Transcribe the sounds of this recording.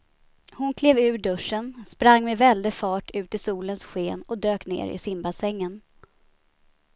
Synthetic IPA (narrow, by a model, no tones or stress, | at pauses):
hʊnkʰleːvʉ̟ːɖɵʂːənspɾaŋːmevɛld̪əfɑːʈʰʉ̟ːt̪ɪsuːlənsɧeːnɔd̪øːknḛːɾɪ̰sɪmbasɛŋːən